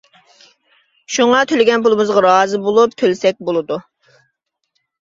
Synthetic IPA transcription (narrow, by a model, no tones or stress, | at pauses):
ʃuŋɑt̪ʰølɪɡʲɛnpulˠɨmɨzʁɑɾɑːzɨbolˠup̚t̪ʰølsɛk̚ʲbolˠɨd̪u